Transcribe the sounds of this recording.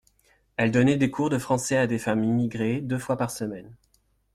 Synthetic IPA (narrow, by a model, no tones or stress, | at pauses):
ɛld̪ɔnɛd̪ekʰuʁd̪əfχɑ̃sɛad̪efamimiɡʁed̪øfwapaʁsəmɛn